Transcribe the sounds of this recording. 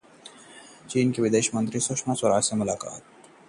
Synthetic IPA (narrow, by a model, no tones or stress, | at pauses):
t͡ʃiːnkiʋɪd̪eːʃmə̃nt̪ɾisʊkʃmaswɐɾaːsemʊlaːka̰ːt̪̚